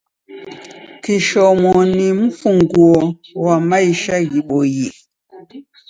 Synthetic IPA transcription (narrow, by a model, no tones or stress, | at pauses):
kiʃɔmɔnim̩fuŋɡwowamaiʃaɣiɓojiʔ